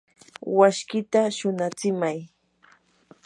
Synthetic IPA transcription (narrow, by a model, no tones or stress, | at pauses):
waʃkɪt̪aʃʊnat͡sɪmaj